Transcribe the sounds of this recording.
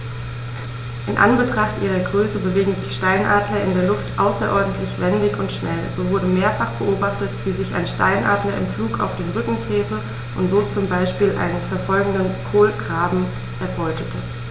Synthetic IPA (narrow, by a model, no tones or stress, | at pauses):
ʔɪnʔa̰nbətʁ̥aχtʔiːʁ̞ɐɡʁøːsəbəveːɡŋ̩zɪçʃtaɪnʔaːdlɐɪndeːɐlʊftʔaʊsɐʔɔɐdn̩tʰlɪçv̥ɛndɪçʊntʃnɛlz̥oːvʊɐdəmeːɐfaχb̥əʔoːbaχtətv̥iːzɪça̰ɪnʃta̰ɪnʔa̰ːdlɐɪ̰mfluːka̰ʊfd̥eːnʁʏkŋ̩tʁ̥eːtə | ʔʊntz̥oːt͡sʊmbaɪʃpiːlʔa̰ɪnənfɛɐfɔlɡŋ̩dənkʰoːlɡʁaːbm̩ | ʔɛɐbɔʏtʰətʰə